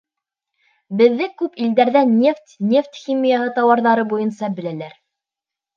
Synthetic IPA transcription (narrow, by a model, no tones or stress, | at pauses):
bɘ̆ðːɘkʉpild̪æɾðænːeft̪ʲnʲe̞ft̪ʲxʲimʲijaɦɤt̪ɑwɑɾðɑɾɤbujɤnsɑbɘ̆lælæɾ